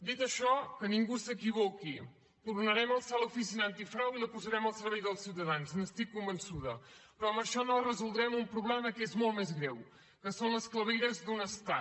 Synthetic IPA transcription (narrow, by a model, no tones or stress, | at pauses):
d̪it̪əʃɔkəniŋɡusəkiβɔki | t̪urnəɾɛməlˠsalufisinant̪ifɾawiləpuzəɾɛməlˠsəɾβɛjðəlˠsiwt̪əðanznəst̪ikːumbənsuðəpɾɔəməʃɔnorəzulˠd̪ɾɛmumpɾuβlɛməkezmolt̪mezɣɾɛw | kəsonləskləβejɾəzd̪unəst̪a